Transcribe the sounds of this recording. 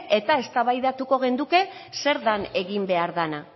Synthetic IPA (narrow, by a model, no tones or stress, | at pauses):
e̞t̪ae̞st̪aβajðat̪uko̞ɣe̞nd̪uke̞se̞ɾðane̞ɣimbe̞aɾðana